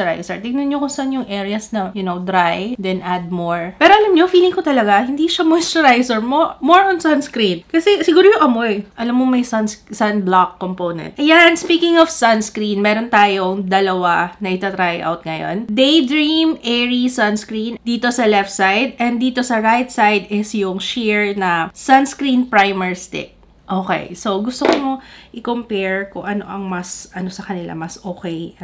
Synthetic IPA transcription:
ɛɾa̰jsɛ̰ɹt̪ɪŋnɐnɲokʊŋsɐʔɐnjʊŋʔɛɹɪɐsnɐjʊnowd̪ɾajd̪ɛnʔad̪̚moɹpɛːɾoʔɐlɐmɲofiːlɪŋkot̪ɐlɐɡahɪnd̪iʃɐmostɛɾajsɛɹmomoɹonsɐnskɾĩnkɐsɛsɪɡuːɾojʊŋʔɐmoɛʔɐlɐmːomɐjsɐnssɐnblakːomponɛ̰nt̪ʔɐjanspiːkɪŋɔfsɐnskɾinmɛːɾont̪aːjoŋd̪ɐlɐwanɐʔɪt̪ɐt̪ɾajʔa̰wt̪̚ŋɐjo̞̰nd̪ejd̪ɾɹimʔɛɹisɐnskɾind̪iːt̪o̞sɐlɛft̪sajd̪̚ʔɛnd̪iːt̪o̞sɐɹajt̪sajd̪ɪsjʊŋʃiɹnɐsɐnskɾĩnpɹajmɛɹst̪ɪ̰k̚ | ʔoːkḛjso̞wɡʊst̪okomo̞ʔɪkompɛɹkʊŋʔɐno̞̰ʔɐŋmɐsʔɐno̞sɐkɐnɪla̰mɐsʔoːkɛj

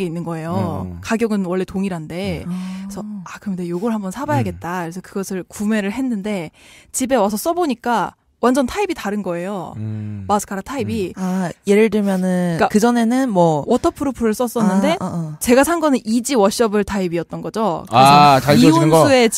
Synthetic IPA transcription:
ɡeinːɯnɡʌe̞jokaɡjʌɡɯnwʌɭːe̞toŋiɾɦande̞sʰʌakɯɾʌmidejoɡʌɭhambʌnsʰabajaɡe̞t̚t͈akɯɾe̞sʰʌkɯɡʌsʰɯɭkume̞ɾɯɭɦe̞nːɯnde̞t͡ɕibe̞wasʰʌs͈ʌboɲik͈a | wand͡ʑʌntʰaibitaɾɯnɡʌe̞jomasʰɯ̥kʰaɾatʰaibiaje̞ɾɯɭdɯɭmjʌnɯnk͈akɯd͡ʑʌne̞nɯnmwʌwʌtʰʌpʰɯɾopʰuɾɯɭs͈ʌs͈ʌnːɯnde̞t͡ɕe̞ɡasʰanɡʌnɯnʔid͡ʑiwʌɕ͈ʌbɯɭtʰaibiʌt̚t͈ʌnɡʌd͡ʑokat͡ɕaoionɯnɡʌue̞

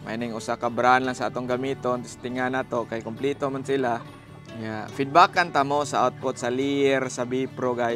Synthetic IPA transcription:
ma̰inɪŋʊsakabɾanlaŋsaat̪oŋɡamit̪ont̪ʊst̪ɪŋanat̪okajkʊmplit̪omansɪla | ŋafɪd̪̚bakant̪amosaʔawt̪̚pʊt̪̚salijɛɾsabipɾoɡaj

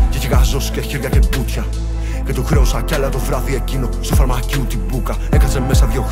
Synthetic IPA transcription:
ceciɣɐzosceçiɾʝɐcebut̪çɐ | cet̪uxɾeusɐcɐʎɐt̪ovɾɐθiecinost̪ofɐɾmɐciut̪ibukɐ | ekɐzemmesɐðʝo

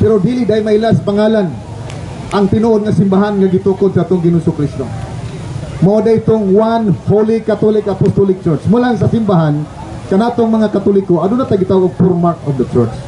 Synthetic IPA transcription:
pɛɾod̪ilɪd̪aɪmailaspaŋaːlan | ʔaŋt̪ɪnoʔod̪̚ŋasɪmbaɦanŋaɡɪt̪ukod̪̚saat̪oŋɡɪnusʊkɾist̪o | mawad̪ait̪oŋwanholikat̪olɪkapost̪olɪk̚t͡ʃɔɹt͡ʃmulaŋs̬asɪmbaɦan | kanat̪oŋmɐŋakat̪ulɪkːoad̪ʊnat̪aɡɪt̪awoɡ̚puɾmaɾt̪ɔfd̪ɐt͡ʃɔɹt͡ʃ

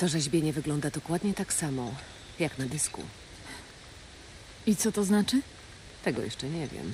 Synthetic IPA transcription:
t̪ɔʐɛʑbʲjɛɲɛvɘɡlɔnd̪ad̪ɔkwad̪ɲɛt̪aksamɔ | jaknad̪ɘskṵ | it̪sɔt̪ɔznat͡ʂɘ | t̪ɛɡɔ̰jɛ̰ʂt͡ʂɛɲɛvʲjɛ̰m

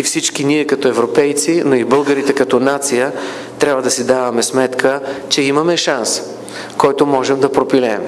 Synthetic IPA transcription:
ifsit͡ʃkiniɛkɐt̪oɛvɾopɛjt̪sinoibɤlˠɡəɾit̪ɛkɐt̪ɔnat̪sijə | t̪ɾʲjabvɐd̪ɐsid̪avɐmɛsmɛt̪kət͡ʃɛimɐmɛʃans | kɔjt̪omɔʒɛmd̪ɐpɾopilɛm

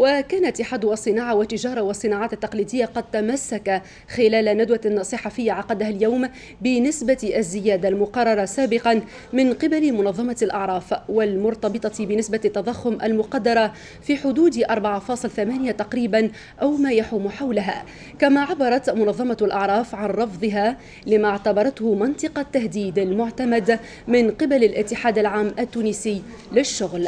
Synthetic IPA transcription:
wakaːnaʔt̪ːɪħaːd̪ʊʔɑsˤːɨnɑːʕɑwat̪ːɪʒɑːɾˤɑwɑsˤːɨnɑːʕaːt̪at̪ːɑqliːd̪ɪjːaqɑd̪̚t̪amasːaka | xɪlaːlanad̪wansˤɨħɑfɪjːaʕɑqɑd̪aɦaljawm | bɪnɪsbaazːɪjaːd̪almʊqɑrˤːɑɾˤɑsaːbɪqɑn | mɪnqɪbalmʊnɑðˤːɑmɑlʔɑʕɾˤɑːfwalmʊɾt̪ɑbɨt̪ˤɑbɪnɪsbat̪ːɑðˤɑxːʊmʔalmʊqɑd̪ːɑɾˤɑ | fiːħʊd̪uːd̪ʔɑɾˤbaʕɑfɑːsˤɨlθamaːnɪjat̪ɑqɾiːban | ʔawmaːjaħuːmħawlaɦa̰ː | kamaːʕabːɑɾˤɑt̪mʊnɑðˤːɑmɑalʔɑʕɾˤɑːfʕanɾˤɑfðˤɨɦa | lɪmaʕt̪abɑɾˤɑt̪hʊmɑnt̪ˤɨqɑt̪ːahd̪iːd̪almʊʕt̪amad̪ | mɪnqɪbalalʔɪt̪ːɪħaːd̪alʕaːmʔat̪ːuːnɪsɪː | lɪʃːʊɣl

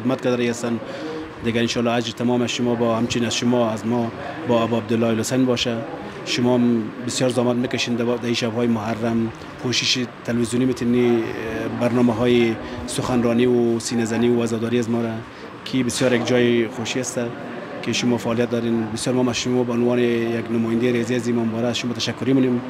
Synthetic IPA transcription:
ɪd̪̚mat̪̚kad̪ɾajast̪an | d̪ɪɡaɪnʃɑlɑad͡ʒɾt̪ʰamɔmasʃʊmɔbɔhamt͡ʃɪnazʃʊmɔazmɔ | bɔabɔab̚d̪ɪlːɔilʊsajnbɔʃa | ʃʊmɔmbɪsjɔːɾzɔmat̪̚mekaʃend̪d̪aiʃabɦɔːjmʊɦaɾːam | pʰoʃɪʃit̪ʰalwizjunimɪt̪ʰini | baɾnɔmaɦɔjisʊxanɾɔniwʊsinazaniwʊazɔd̪ɔɾiazmɔɾa | kʰibɪsjɔɾjak̚d͡ʒɔjɪxoʃiast̪a | keʃʊmɔfaːlijat̪̚d̪ɔɾenbɪsjɔɾmɔmazʃʊmɔbaʊnwɔnejaɡnʊmɔjɪnd̪eɾeziazimambɔɾasʃʊmɔt̪aʃakːʊɾimʊnem

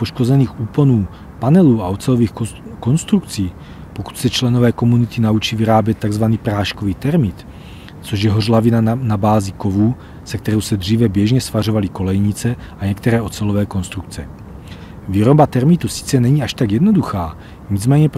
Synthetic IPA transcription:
poʃko̞zɛniːxuːponuː | panɛluːaʔot͡sɛloviːxko̞nst̪ɾukt͡siː | po̞ku̥t̪sɛt͡ʃlɛno̞vɛːko̞munit̪inaut͡ʃiːviɾaːbjɛt̪̚t̪ːaɡzvaniːpɾaːʃkoviːt̪ɛɾmɪt̪ | t͡so̞ʒjɛɦorlavinanabaːziko̞vuː | sɛk̚t̪ɛɾowsɛd̪r̝iːvɛbjɛʒɲɛsfar̝o̞valiko̞lɛjɲit͡sɛ | ʔaɲɛkt̪ɛɾɛːʔo̞t͡sɛlovɛːko̞nst̪ɾukt͡sɛ | viːɾo̞bat̪ɛɾmit̪usi̥t͡sɛnɛɲiaʃt̪aɡjɛdno̞duxaː | ɲid͡zmɛːɲɛp

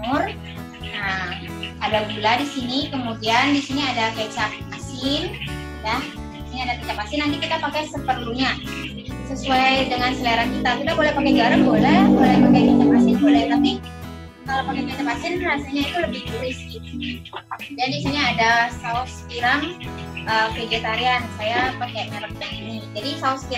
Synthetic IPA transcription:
mʊr | əm | adaɡuladisinikəmudiandisiniadakat͡ʃaʔ̚masɪn | jah | isiniadakit͡ʃap̚masɪnːant̪ikit̪apakajsəpərluɲa | səsuajdəŋansəlaaɾankit̪akit̪abolɛhpakɛjɡaɾəŋbolɛhbolɛhpakajkat͡ʃap̚asɪnbolɛht̪api | kalawpakakat͡ʃapasɪnrasaɲait̪uləbɪhd̪uɾɪsɡit̪u | d͡ʒadisaɲaːdasaʊskiɾaŋ | ʔəːfɾeɡet̪aɾiansajapakɛjməɾək̚taʔinid͡ʒadisaʊsə̥ki

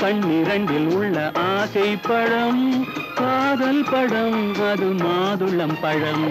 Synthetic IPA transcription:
kɐɳːiɾɐɳɖɪlʊɭːɐʔaːsɐɪpːɐɽɐmpaːðɐlpɐɽɐmɐðɯmaːðɯɭɐmpɐɻɐm

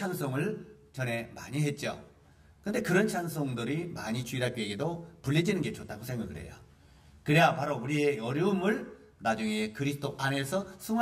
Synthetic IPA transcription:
aŋsʰoŋɯɭt͡ɕʌne̞ma̰ɲiɦe̞t̚t͡ɕ͈o̰ | kɯnde̞kɯɾʌnt͡ɕʰaŋsʰoŋdɯɾimaɲit͡ɕuiɾapieɡedopuʎːid͡ʑinɯnɡe̞t͡ɕot͈aɡosʰeŋɡaɡɯɾɦe̞̰jo̰ | kɯɾe̞japaɾouɾie̞ʌɾjumɯɭ | nad͡ʑuŋe̞kɯɾisʰɯ̥t͈oʔane̞sʰʌsʰuŋ

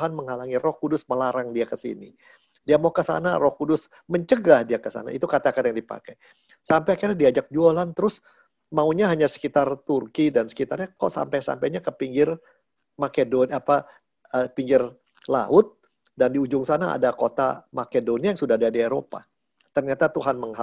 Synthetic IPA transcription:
ɦanməŋalaŋirɔhkudʊsməlaɾaŋdiakəsḭnḭ | diamakəsa̰narɔhkudʊs | məɲt͡ʃəɡahdiakəsa̰na̰it̪ukat̪akat̪jaŋdipa̰kɛj | sampɛjkaɾadiad͡ʒak̚d͡ʒualant̪əɾʊs | mauɲaɦaɲasə̥kit̪art̪urkidansə̥kit̪arɲakɔʔsa̰mpɛsa̰mpɛɲakəpiŋɡɪr | makedɔnapa | əpiŋɡɪr | la̰ʊt̪̚ | dandiud͡ʒʊŋsanaa̰dakot̪a̰makedoniajaŋsudahdadieɾo̰pa̰ | t̪ərɲat̪at̪uɦanməŋɦa

